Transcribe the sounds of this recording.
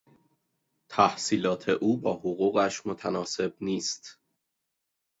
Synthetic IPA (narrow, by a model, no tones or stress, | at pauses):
t̪ʰæhsiːlɒːt̪ʰe̞ʔuːbɒːhoɣuːɣæʃmot̪ʰænɒːse̞bniːst̪